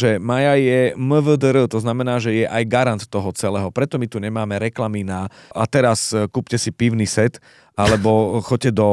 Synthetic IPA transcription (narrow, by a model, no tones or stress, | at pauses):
ʒɛmajajɛməvəd̪ɾət̪ɔznamɛnaːʒɛjɛʔajɡaɾant̪ːɔɦɔt͡sɛlɛːɦɔpɾɛt̪ɔmit̪uɲɛmaːmɛɾɛklaminaʔat̪ɛɾaskuːpcɛsipiʊnisɛt̪ | alɛbɔxɔcɛd̪ɔ